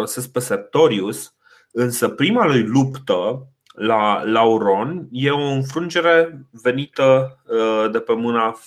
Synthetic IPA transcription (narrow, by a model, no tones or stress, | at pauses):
ose̞sk̚pe̞sert̪o̞ɾius | ɨnsəpɾimalujlupt̪ə | lalauɾo̞nje̞o̞ɨnfɾund͡ʒe̞ɾe̞ve̞nit̪ə | d̪e̞pe̞mɨna